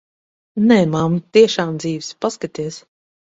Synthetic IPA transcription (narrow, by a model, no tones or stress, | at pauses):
nɛːmamt̪iɛʃaːmd̪ziːvspaskat̪iɛs